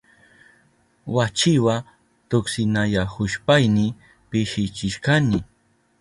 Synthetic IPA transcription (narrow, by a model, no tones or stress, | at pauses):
wat͡ʃɪwa | t̪ʊksɪnajahʊʃpajnɪ | pɪʃɪt͡ʃɪʃkanɪ